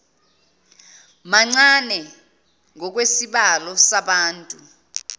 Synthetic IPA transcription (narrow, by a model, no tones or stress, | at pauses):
maŋ͡ǀanɛ | ŋɔk̬wesiɓalɔsaɓaːntʼu